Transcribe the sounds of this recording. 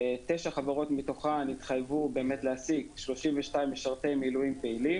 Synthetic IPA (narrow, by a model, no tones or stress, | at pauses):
teʃaχavaʁo̞tmito̞χanit̪χajvube̞ːmetleasiɡʃlo̞ʃimveʃtaimjeʃaʁt̪emilujimpeilim